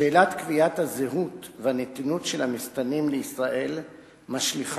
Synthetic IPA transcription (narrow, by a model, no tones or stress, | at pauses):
elat̪kviat̪hazeɦut̪veanet̪inutʃelhamist̪animleisʁaʔe̞l | maʃliχ